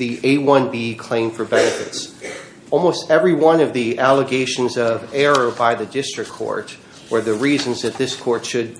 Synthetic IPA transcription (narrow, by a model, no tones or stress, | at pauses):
ðiʔeɪwʌ̃nbikʰl̥ẽɪ̃ɱ̥fə˞bɛnɨfɨ̰ts | ɔlˠmoʊstɛvɹiwʌ̃nʌvðiʔælˠəɡeɪʃɨ̃n̩zʌvɛɹoʊbaɪðɨdɪstɹ̥ɨkʰːɔ̰ɹt̚ | wə˞ðɨɹizɨ̃nzðɨt̪̚ðɪskʰɔɹtʃɨd̚